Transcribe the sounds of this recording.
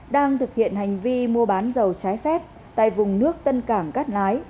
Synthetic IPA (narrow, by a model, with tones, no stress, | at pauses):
ɗaː˧ŋt̪ʰɨ˨˩k̚hḭ˧˨ənha˨˩jŋ̟vi˧mu˧əɓaː˨˦nzə˨˩wt͡ɕaː˨˦jfɛ˦˥p̚ | t̪a̰ː˧˨jvʊ˨˩ŋ͡mnɨ˦˥ək̚t̪ə˧nkaː˧˩ŋkaː˦˥t̚laː˨˦j